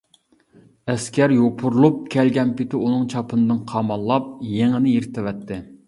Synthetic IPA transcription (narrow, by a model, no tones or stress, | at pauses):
ɛskʲʰɛɾjopʰuɾlˠup̚kʲʰɛlɡʲɛnpɪt̪ʰɪunɨŋt͡ʃʰɑpʰɨnɨd̪ɨnqʰɑmɑlˠːɑp̚jeŋɪnɪjeɾt̪ʰɪvɛt̪ʰːɪ